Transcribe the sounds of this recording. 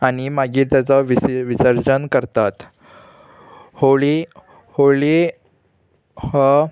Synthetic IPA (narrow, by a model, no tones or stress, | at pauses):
aɽ̃imaɡiːɾt̪jat͡sɔʋiʋisəɾd͡ʑənkəɾt̪at̪ | hoɭi | hoɭi | hə